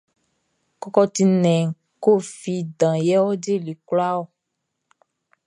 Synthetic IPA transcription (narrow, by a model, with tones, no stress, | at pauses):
kɔ˨kɔ˧t̪i˨nɛ̃˨ | ko˦fi˨dã˨jɛ˦wo˦d͡ʒe˦li˨kla˦wo˦˨